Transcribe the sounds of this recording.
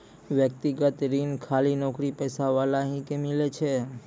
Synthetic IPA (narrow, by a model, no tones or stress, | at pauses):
ʋjək̚t̪iɡət̪ɾinkʰalinɔkɾipɛsaʋalaɦĩkemilet͡ʃʰe